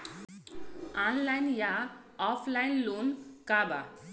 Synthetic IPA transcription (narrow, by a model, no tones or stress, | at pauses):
anlajnja | ɔpʰlajnlonkaba